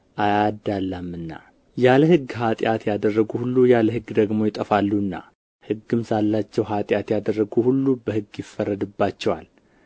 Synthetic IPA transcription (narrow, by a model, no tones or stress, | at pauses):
ʔajad̪alːəmːɨnːa̰ | jaləhɨɡːɦat̪ʼɪjat̪jad̪ərːəɡuhulːujaləhɨɡd̪əɡmo̞jɪt̪ʼəfalːuɨnːa̰ | hɨɡːɨmsalːat͡ʃːɛwɦat̪ʼjat̪jad̪ərːəɡuhulːubəhɨɡːjɪfːərːəd̪ɨbːat͡ʃːɛwal